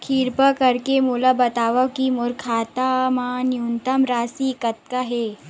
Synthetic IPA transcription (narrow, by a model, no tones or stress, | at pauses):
kʰiːɾpəkɐɾkemulabɐt̪aːʋɐʋkimʊɾkʰaːt̪amaːnjunt̪ɐmɾaːsikɐt̪̚kaɦeː